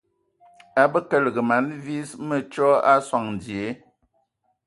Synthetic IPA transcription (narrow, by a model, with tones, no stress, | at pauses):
a˦bə˦kə˦˨lɡə˨ma˨˦nvi˦smə˨t͡ʃɔ˦a˦swa˨ŋn˨dje˨˦